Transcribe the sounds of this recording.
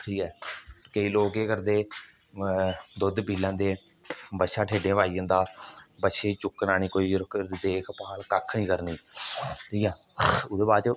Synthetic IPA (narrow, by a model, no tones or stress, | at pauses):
ʈʰiːkɛːkəiːloːkeːkəɾd̪eː | d̪ʊd̪piːlãːd̪eː | bəʃaːʈʰeːɖẽːʋaːiːãːd̪aːbətʃeːt͡ʃʊkːnaːniːkoːiːd̪eːkʰpaːlkəkʰːnĩːkəɾniːʈʰiːkɛː | ʊd̪eːbaːdt͡ʃə